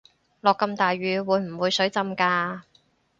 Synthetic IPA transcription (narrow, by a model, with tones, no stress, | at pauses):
lɔː˨kːɐ˧mt̪aː˨jɥyː˨˧wuː˨˧jm̩˨˩wuː˨˧jsɵ˨˥ɥt͡sɐ˧mkaː˧